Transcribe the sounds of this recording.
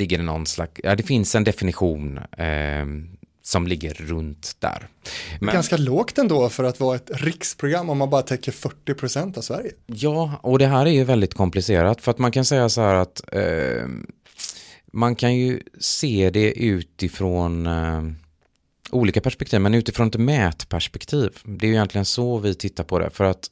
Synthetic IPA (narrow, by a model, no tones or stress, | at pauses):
lɪɡːəɾɪnɔ̰nsla̰kjad̪ɛfɪnsɛnd̪ɛfɪnɪɧuːn | sɔmlɪɡːəɾːɵnt̪d̪̥æ̰ːɾmɛɡanskaloːɡt̪ɛnd̪oːfœɾat̪vɑːaɛt̪ɾɪkspʰɾʊɡɾamːɔmːanbɑːɾat̪ʰɛkːəɾfœʈːɪpʰɾʊsɛnt̪avsvæɾjəjɑːɔd̪ɛɦæːɾæɾjɵvɛld̪ɪt̪kʰɔmplɪseːɾat̪fœɾat̪mankʰansɛjːasaɦæːɾat̪ | mankʰanjɵseːd̪ɛʔʉ̟ːt̪ɪfɾoːn | ʔuːliːkapæʂpɛkt̪ʰiːvmɛnʉ̟ːt̪ɪfɾoːnɛt̪mɛːt̪pʰæʂpɛkt̪ʰiːvd̪ɛːɾjʏjɛnt̪lɪɡənsɔvɪt̪ʰɪt̪ːaɾpʰɔd̪ɛ̰fœɾat̪